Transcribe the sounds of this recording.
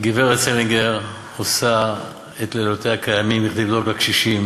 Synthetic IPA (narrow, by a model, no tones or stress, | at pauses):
ɡiveʁet͡seliŋɡeʁ | osa | et̪lelot̪ehakʰajamimiχd̪ivloɡakʃiʃim